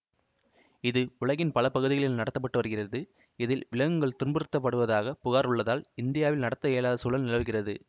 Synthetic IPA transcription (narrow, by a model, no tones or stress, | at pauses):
ɪðɯʊɭɐɣɪnpɐlɐpɐɣɯðɪɣɐɭɪlnɐɽɐt̪ːɐp̬ːɐʈːɯʋɐɾɯɣɪrɐðɯ | ɪðɪlʋɪɭɐɣɯŋɡɐɭt̪ʊnbɪɾɯt̪ːɐp̬ːɐɽɯʋɐðaːɣɐpʊɣaːɾʊɭːɐðaːlɪnd̪ɪjaːʋɪlnɐɽɐt̪ːɐeːlaːðɐsuːlɐlnɪlɐʋɯɣɪrɐðɯ